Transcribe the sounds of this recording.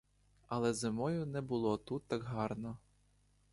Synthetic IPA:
ɐlˠɛzɪmɔjʊnɛbʊlˠɔt̪ut̪ːɑɡɦɑrnɔ

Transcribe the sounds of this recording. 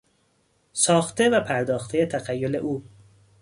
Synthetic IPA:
sɒːxt̪ʰe̞væpʰæɾd̪ɒːxt̪ʰejet̪ʰæɣæjːole̞̰ʔuː

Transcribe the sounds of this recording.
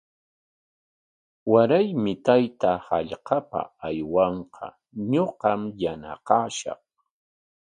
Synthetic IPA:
waɾajmɪt̪ajt̪ahaʎqɑpa̰ajwɑɴqɑ̰ | ɲoɢɑmjana̰qɑːʃɑ̰χ

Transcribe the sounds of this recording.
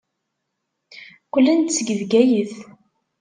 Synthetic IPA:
kʷəlːənt̪t͡sːəɡəðɡæjəθ

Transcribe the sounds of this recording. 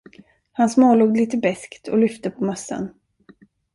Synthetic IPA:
hansmoːluːɡliːt̪əbɛskt̪ʰɔ̰lʏft̪əpʰɔmasːə̰n

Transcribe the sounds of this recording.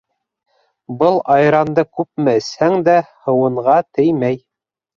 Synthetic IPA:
bɤlˠɑjɾɑnd̪ɤkʉp̚mɘ̆ɘ̆shæŋd̪æhɤ̆wɤ̆ɴʁɑt̪ɘ̆jmæj

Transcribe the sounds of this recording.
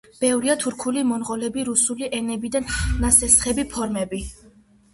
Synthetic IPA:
b̥ɛvɾiat̪ʰuɾkʰulimɔnʁʼɔlɛbiɾusuliʔɛnɛbid̪anːasɛsχɛbipʰɔɾmɛbi

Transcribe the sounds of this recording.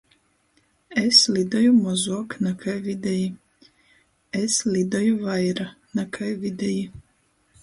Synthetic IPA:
eslid̪ɔjumɔzuɔknakʰajvid̪eji | eslʲid̪ɔjuvajɾa | nakʰajvid̪eji

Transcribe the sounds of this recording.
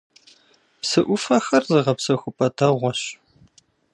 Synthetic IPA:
psɨʔʷʊfɐxɐrzɨʁɐpsɐxʷʊpʼɐtʰɐʁʷɔɕ

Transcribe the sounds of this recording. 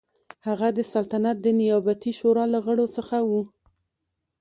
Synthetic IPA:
haɣad̪əsalt̪anat̪̚d̪ənɪjɑbat̪iʃoɾɑlaɣəɽosəxawu

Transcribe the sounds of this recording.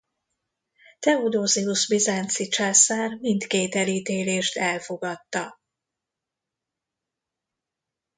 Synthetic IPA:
t̪ɛod̪oːzɛuʃbizaːnt̪sit͡ʃaːsaːrmint̪keːt̪ɛliːt̪eːleːʃt̪ɛlfo̞ɡɒt̪ːɒ

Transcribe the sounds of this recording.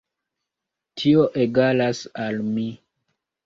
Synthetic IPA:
tʰio̞ʔeɡalasalmi

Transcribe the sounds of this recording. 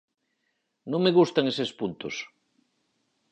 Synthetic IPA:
nõŋmeɣust̪aŋesespunt̪os

